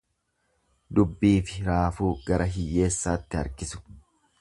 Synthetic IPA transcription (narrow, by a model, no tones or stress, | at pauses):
d̪ʊbːiːfɪɾaːfuːɡɐɾʔɐɦɪjːe̞ːsːaːt̪ːɪɐ̰ɾkɪsʊ̥